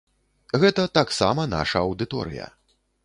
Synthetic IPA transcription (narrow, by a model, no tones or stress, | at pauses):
ɣɛt̪ɐt̪aksa̰mɐna̰ʂɐɐwd̪ɨt̪ɔ̰ɾɨ̰jɐ̰